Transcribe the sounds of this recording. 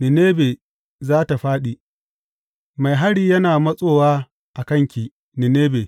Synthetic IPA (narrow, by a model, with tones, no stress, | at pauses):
nɪ˨neː˦beː˨ | zaː˦ta˨ɸaː˦ɗi˨ | ma˨jɦa˦ɽiː˦jɐ˦naː˨mɐ˦sʼoː˦˨waː˦ | ʔa˨kɐ˦˨ŋkʲi˨ | nɪ˨neː˦beː˨